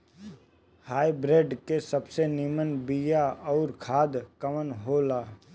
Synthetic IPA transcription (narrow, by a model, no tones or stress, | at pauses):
haːibɾeːɖkesəbsenimənbijaɔːɾkʰaːd̪kəmənɦoːlaː